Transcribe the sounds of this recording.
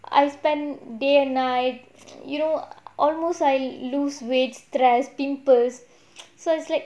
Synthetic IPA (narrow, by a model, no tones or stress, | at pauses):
a̰jspɛ̃ndeɛ̃nnajt̚ | junoʔɔlmostajluswed͡ʒtɾɛspĩmpəs | soɪtslaɪk̚